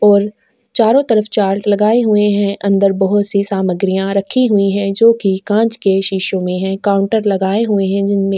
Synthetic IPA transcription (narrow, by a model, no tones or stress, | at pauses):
ɔːɾ | t͡ʃaːɾõt̪ɐɾəft͡ʃaːɾʈlɐɡaːeɦueɦɛ̃ʔɐ̃nd̪əɾbɐɦʊt̪sisaːməɡɾijãɾɐkʰːiɦuiɦɛ̃d͡ʒoːkikãːt͡ʃkeʃiːʃõmẽɦɛ̃kãːʊ̃ɳʈəɾlɐɡaːeɦueɦɛ̃d͡ʒɪnmẽ